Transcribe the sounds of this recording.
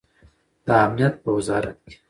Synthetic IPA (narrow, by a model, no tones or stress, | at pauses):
d̪̥aamnijat̪̚bəwɪzɑːɾat̪̚ɡi̥